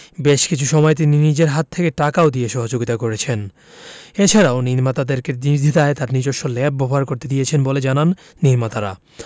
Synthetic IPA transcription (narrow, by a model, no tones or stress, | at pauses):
beʃkit͡ɕʰuʃɔmɔet̪̬ininid͡ʑeɾɦat̪ʰːekeʈakaod̪ijeʃɔɦod͡ʑoɡit̪akoɾet͡ɕʰen | et͡ɕʰaɾaoniɾmat̪ad̪eɾkeɾniɾd̪ʱit̪aet̪aɾnid͡ʑoʃːolɛb̚bobʱɦaɾkoɾt̪ed̪ijet͡ɕʰenboled͡ʑananː | iɾmat̪aɾa̰